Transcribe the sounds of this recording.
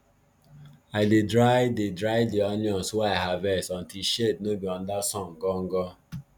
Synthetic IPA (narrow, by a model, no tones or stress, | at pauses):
aidedɾajdedɾajdiɔnjɔ̃suwaaɦavɛsɔn̩tiʃednobiɔn̩dasɔ̃ŋ̩ɡɔŋ̩ɡɔ